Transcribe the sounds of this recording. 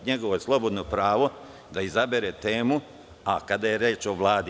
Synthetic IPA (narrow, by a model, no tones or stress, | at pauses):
ɲeɡoʋoslˠo̞bo̞d̪nopɾaːʋo̞ | d̪aizabeɾeːt̪e̞ːmu | akad̪ajeɾeːt͡ʃo̞ʋlˠaːd̪